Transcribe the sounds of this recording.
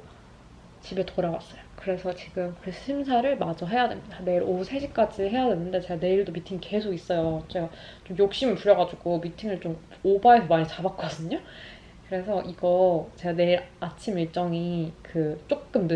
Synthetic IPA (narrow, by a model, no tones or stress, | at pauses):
t͡ɕibe̞toɾawa̰s͈ʌjokɯɾe̞sʰʌt͡ɕiɡɯmkɯɾeɕʰimsʰaɾɯɭmad͡ʑʌɦe̞jadwe̞mɲid̥ane̞iɾosʰe̞ɕʰik͈ad͡ʑiɦe̞jadwe̞nːɯnde̞t͡ɕe̞ɡane̞iɭdomitʰiŋike̞sʰoɡis͈ʌjot͡ɕe̞ɡa | t͡ɕomjok̚ɕ͈imɯɭpuɾjʌɡad͡ʑuɡomitʰiŋɯɭt͡ɕ͈om | obae̞sʰʌmaɲit͡ɕabak͈̚ʌdɯɲo | kɯɾe̞sʰʌʔiɡʌt͡ɕe̞ɡane̞iɾat͡ɕʰimiɭt͡ɕ͈ʌŋikɯt͡ɕ͈ok̚k͈ɯnd